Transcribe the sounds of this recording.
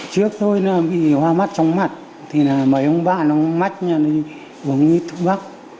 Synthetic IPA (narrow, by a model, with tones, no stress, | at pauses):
t͡ɕɨ˦˥ək̚t̪ʰo˧jnaː˨˩ɓḭ˧˨hwaː˧ma˦˥t̚t͡ɕɔ˧wŋ͡mma˨˩t̚ | t̪ʰi˨˩naː˨˩mə˨˩ʔə˧wŋ͡mɓa̰˧˨ʔna˨˧˨ma˦˥t̚ɲaː˧nə˨˧ | ə˨˩ŋwi˧˦t̪ʰɨ˧k̚ɓa˦˥k̚